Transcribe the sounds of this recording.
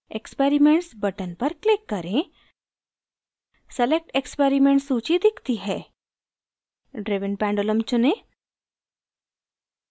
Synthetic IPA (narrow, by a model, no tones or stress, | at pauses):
ekspeːɾimẽɳʈsbɐʈənpɐɾklɪkːɐɾẽ | sɐlek̚ʈekspeːɾimẽːɳʈsuːt͡ʃid̪ɪkʰt̪iɦɛː | ɖɾeːʋɪnpɛ̃ːɳɖoləmt͡ʃʊnẽ